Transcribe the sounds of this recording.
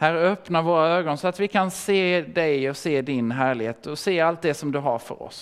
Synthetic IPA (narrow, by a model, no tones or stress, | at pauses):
hæːɾœpnaɾvoːɾaøːɡɔnsɔat̪vɪkʰanseːd̪ɛjɔseːd̪ɪnɦæːɭɪɡheːt̪ɔseːalt̪̚d̪ɛsɔmd̪ɵɦa̰ɾfœ̰ɾɔ̰s